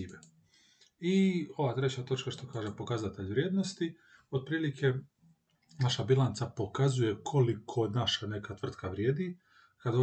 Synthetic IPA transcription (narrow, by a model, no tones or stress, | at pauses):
iːʋe | io̞ʋaːt̪ɾet͡ɕat̪o̞t͡ʃkaʃt̪o̞kaːʒe̞po̞kazat̪e̞ʎʋɾʲjeːd̪no̞st̪i | od̪̚pɾiːlikʰe̞ | naʃabilˠant̪sapo̞kazuje̞kʰo̞likʰo̞naʃane̞kat̪ʋr̩t̪kaʋɾje̞ːd̪i | kad̪o